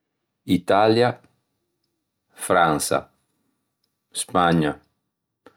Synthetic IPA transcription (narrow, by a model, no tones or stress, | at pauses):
it̪alja | fɾãnsa̰ | spaɲa